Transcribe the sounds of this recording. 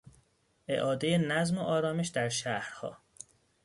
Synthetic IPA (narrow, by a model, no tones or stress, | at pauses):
ʔḛʔɒːd̪e̞jenæzmoʔɒːɾɒːme̞ʃd̪æɾʃæhɾhɒ̰ː